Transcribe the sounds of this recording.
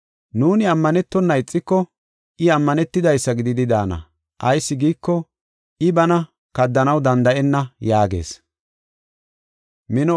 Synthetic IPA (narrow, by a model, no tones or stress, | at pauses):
nuːnɪɐmːɐnɛt̪ːɔnːɐɪt͡sʼːɪkːɔ | ʔɪɐmːɐnɛt̪ːɪd̪ɐjsːɐɡɪd̪ɪd̪ɪd̪aːnɐ̰ | ʔɐjsːɪɡiːkːɔ | ʔɪbɐnɐ | kɐd̪ːɐnɐwd̪ɐnd̪ɐʔɛnːɐjaːɡe̞̰ːs | mɪnɔ